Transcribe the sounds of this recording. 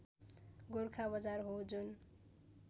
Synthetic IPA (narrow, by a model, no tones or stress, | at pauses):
ɡorkʰabʌd͡zarɦod͡zun